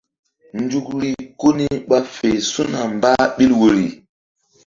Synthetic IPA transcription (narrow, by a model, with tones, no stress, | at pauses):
ndu˦k̚ɾi˨ko˦ni˦ɓa˦fe˨jsu˦na˨mba˦ɓi˦lwo˨ɾi˨